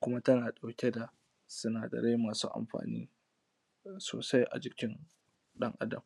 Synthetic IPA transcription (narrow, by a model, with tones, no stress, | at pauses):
kʷʊ˦ma˦tɐ˦naː˨ɗa˨wkʲe˦da˨ | sʊ˦naː˨dɐ̰˨ɽe˦maː˨suː˦ʔa̰˨mɸa̰ː˨nḭː˦ | soː˨sa˦jʔa̰˨d͡ʒɪ˨kʲɪ˦n | ɗɐ˦ŋʔa̰˦dɐ̰˨m